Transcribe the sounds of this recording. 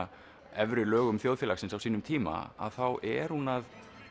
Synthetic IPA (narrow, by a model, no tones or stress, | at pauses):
ɛvɾʏlœːɣʏmθjowðfɛlaxsɪnsawsiːnʏmt̪ʰiːma̰a̰ðθawʔɛɾ̥hunað